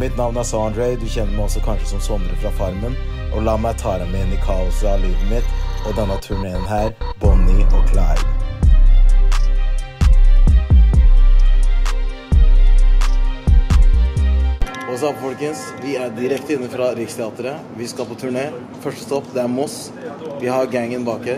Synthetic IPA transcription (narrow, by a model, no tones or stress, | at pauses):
mɪt̪nɑʋnæsɑɑnd̪ɾɛɪd̪ʉçɛnːəɾmæɪɔsɔkʰɑnʂəsɔmsɔmɾəfɾɑːfɑɾmən | ʔɔlɑːmæɪt̪ʰɑːləmɛnɪkʰɑːʊsɑliːd̪n̩ət̪ɔd̪ɛnːɑt̪ʰʉɳeːənɦæːɾbɔnɪʔɔkʰlɑɪl | osɑpfɔlkəns | ʋɪæɖɪɾɛkt̪əɪnːəfɾɑɾɪkst̪ʰɛɑːt̪əɾə | ʋɪskɑlpʰot̪ʰʉɳeː | fœʂʈə̥st̪ɔpːd̪ɛæɾmɔs | ʋɪhɑɾɡæŋːənbɑːkə